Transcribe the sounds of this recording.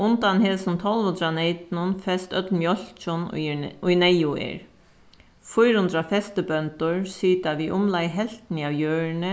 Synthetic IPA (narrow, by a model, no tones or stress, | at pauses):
ʊnt̪anɦeːlsənt̪ʰɔlʋhʊnd̪ɾaneɪt̪nʊnfɛst̪œt̪lmjɔl̥t͡ʃʊnʊjnɛjʊḛːɹ | fʊjɾhʊnd̪ɾafɛst̪əbœnt̪ʊɹsiːt̪aʋiʔʊmlajɦɛl̥t̪naːwjøːɹnə